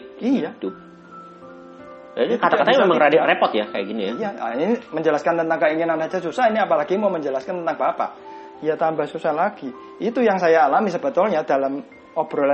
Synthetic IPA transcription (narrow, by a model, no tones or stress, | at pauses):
ijat̪u | janikat̪aat̪aɲamemakəɾadarepɔt̪jakaja̰ɡinijaija̰niməɲd͡ʒəlaskant̪ənt̪aŋkəiŋinansad͡ʒasusahiniapalaɡimawməɲd͡ʒəlaskant̪ənt̪aŋbapa̰ | jat̪ambahsusahlaɡ̥i | it̪ujaŋsajaːlamisəbət̪ʊlɲadalam | ob̥ɾɔ